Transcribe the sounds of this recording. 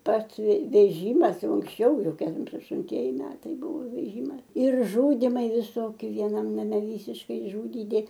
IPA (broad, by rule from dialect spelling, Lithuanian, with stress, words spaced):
ˈpɐts ʋʲɛ ʋʲɛˈʒʲiːmɐs ˈjɛʊ ʊŋksʲˈt͡ʃʲɛʊ ˈjɛʊ ˈkʲɛm ɐʃtʊnʲˈtʲiɛjɪ ˈmʲæːtɐɪ ˈbuːʋoː ʋʲɛˈʒʲiːmɐs ɪr ˈʒʊdʲɪmɐɪ ʋʲɪˈsoːkʲɪ ʋʲiɛˈnɐm nɐˈmʲɛ ˈʋʲiːsʲɪʃkɐɪ ɪʒˈʒʊdʲiːdʲɪ